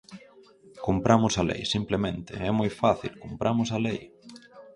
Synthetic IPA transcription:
kumpɾʔamʊsalḛjsimplemẽnt̪ɪ̰ɛmojfaθilkumpɾʔamʊsalej

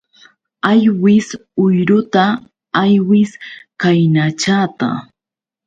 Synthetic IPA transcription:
ajwɪsʊjɾʊt̪a | ajwɪskajnat͡ʃaːt̪a̰

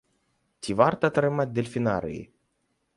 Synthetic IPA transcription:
t̪ʰʲivart̪at̪aɾɨmat̪̚d̪elʲfʲinaɾḛj

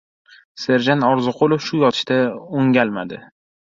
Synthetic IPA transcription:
se̞ɾd͡ʒanɒɾzɨqʰolˠɪfʃʊjɒt̪ʰɪ̥ʃt̪aoŋʲalmad̪ɪ

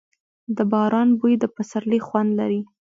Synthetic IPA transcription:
d̪əbɑɾɑnbujd̪əpasaɾlixwand̪laɾi

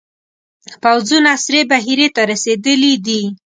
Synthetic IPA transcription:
pawzunasɾebaɦiɾet̪aɾased̪əlid̪i

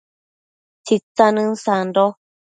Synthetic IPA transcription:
t͡ʃit͡sanɨ̃n̩sandɔ

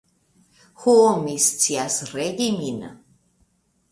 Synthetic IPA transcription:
xuomist͡siasreɡiminə̰

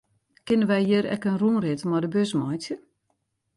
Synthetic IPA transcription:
kɪnəʋɛjjəɾɛ̰kənruːnrɪtəmɔdəbøsmɔjtjə

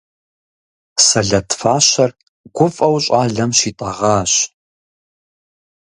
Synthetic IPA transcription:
sɐɮɐtfaːɕɐr | ɡʷʊfʼɐwɕʼaːɮɐmʃiːtʼɐʁɑːɕ

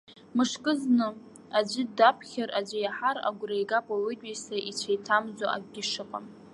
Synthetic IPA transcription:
mɨʂkʼɨznɨ | ad͡ʒʷɪdapʰχʲaɾʔad͡ʒʷɪjaħaɾa̰ɡʷrajɡapʼaɥʷɪtʼesaʔit͡ɕʷʰajtʰamd͡zaʔa̰ɡʷɡʲɪʂɨqʼa̰m

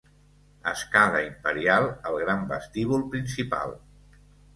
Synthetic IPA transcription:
ə̰skaðəimpəɾialˠəlˠɣɾambə̰st̪iβulˠpɾinsipa̰lˠ

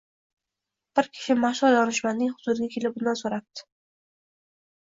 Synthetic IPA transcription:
b̥ɪɾkʲʰɪ̥ʃɪmaχʃɒljɒnɪʃmanːɪŋχʊzʊd̪ɪɡʲakʲʰe̞lɪp̚bʊnd̪ansoɾat̚t̪ʰːɪ̥

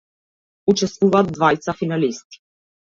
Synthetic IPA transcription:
ut͡ʃɛst̪vuvaːd̪̚d̪vajt̪safinalist̪i̥

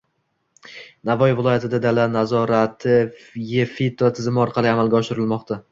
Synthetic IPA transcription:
navɒjvɪlˠɒjat̪ʰɪd̪ad̪alanazɒɾat̪ʰɪjefit̪ʰot̪ʰɪzɪmɪɒɾqʰɑlˠiamalɡʲaɒʃɪɾɪlmɒqt̪ʰa

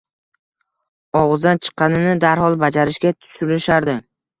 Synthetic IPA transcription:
ɒʁɨzd̪ant͡ʃʰɨ̥qʰːɑnɪnɪd̪aɾhɒlˠbad͡ʒaɾɪʃkʲat̪ʰʊ̥sʊlɪʃaɾd̪ɪ

